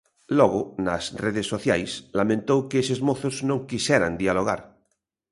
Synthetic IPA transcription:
lɔɣonasreðesːoθja̰jslamẽnt̪owkeesezmoθoznõŋkisɛɾa̰nd̪ialoɣ̞a̰ɾ

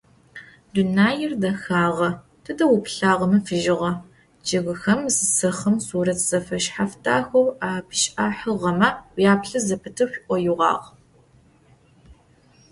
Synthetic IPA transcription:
dunaːjɪrdɐxaːʁɐ | tʰɨdɐwʊpɬaːʁɐmɨfɨʒɪʁɐ | d͡ʒɐɣɨxɐmzɨsɐχɐmsuːɾɐtʰz̥ɐfɐʃħaftʰa̰ːxʷɐwaːpʰʃʼʔaːħɨʁɐmɐʔjaːpɬɐzɐpʰɨtʰɨwɕʷiʔʷʼɔjuʁɑ̰ːʁ

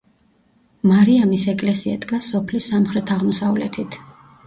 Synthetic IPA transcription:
maɾiamisɛkʼlɛsia̰d̪ʼɡasɔpʰlisːamχɾɛt̪ʰaʁmɔsavlɛ̰t̪ʰit̪ʰ

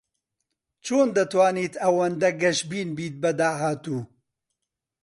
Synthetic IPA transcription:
t͡ʃoːnd̪ɐt̪waːniːt̪ɐwɐnd̪ɐɡɐʃbiːnbiːt̪̚bɐd̪aːɦaːt̪uː

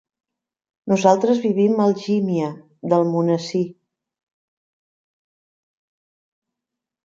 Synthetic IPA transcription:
nuzalˠt̪ɾəzβiβiməlˠʒimiə | ðəlˠmunəsi

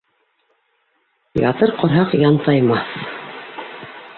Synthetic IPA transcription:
jɑ̰t̪ɤɾqŏɾɦɑqjɑnt̪ɑjmɑθ

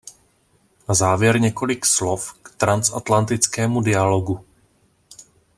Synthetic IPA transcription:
nazaːvjɛɾɲɛko̞lɪkslofkt̪ɾant͡sʔat̪lant̪ɪt͡skɛːmudɪalo̞ɡu

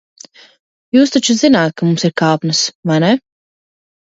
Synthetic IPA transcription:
juːs̬t̪at͡ʃuzinaːt̪̚kamumsiɾkaːpnɨsvajnɛ

